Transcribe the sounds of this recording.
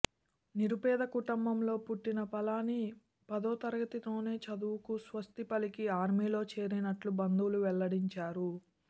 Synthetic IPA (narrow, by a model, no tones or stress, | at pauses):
niɾupɛːd̪ɐkuʈɐmbɐmlo̞ːpuʈːinɐpɐlaːni | pɐd̪oːt̪ɐɾɐɡɐt̪it̪o̞ːne̞ːt͡ʃɐd̪uwukusʋɐst̪ipɐlikiaːɾmiːlo̞ːt͡ʃe̞ːɾinɐʈlubɐnd̪uwluʋɛɭːɐɽiɲt͡ʃaːɾu